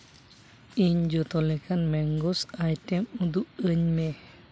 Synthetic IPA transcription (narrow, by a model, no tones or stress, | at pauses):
iɲd͡ʒɔt̪ɔlɛkanmɛŋɡɔsajtɛmud̪uʔəɲme